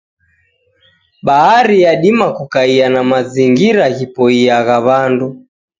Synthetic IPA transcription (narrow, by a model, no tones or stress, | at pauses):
ɓaɦaɾijaɗimakukaianamaziŋɡiɾaɣipɔiaɣaβandu